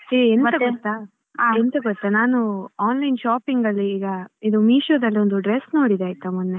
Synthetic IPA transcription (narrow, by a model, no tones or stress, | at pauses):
eenɐɡɔt̪ːa | ent̪ɐɡɔt̪ːanaːnuaːnlɐjnʃaːpiŋɡɐlːiːɡɐid̪umiːʃod̪ɐlːiond̪uɖɾesno̞ːɽid̪eaːjt̪ːɐmunːe